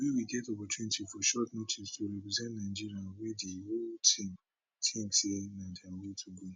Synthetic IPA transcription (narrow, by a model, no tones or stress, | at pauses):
wiwiɡɛtɔpɔt͡ʃunitifɔʃɔtnotʰistʰoɹɛpɹizɛ̃ntnaɪd͡ʒiɹiãnwediholtʰĩm | tʰĩsenãdãɡotʰuɡo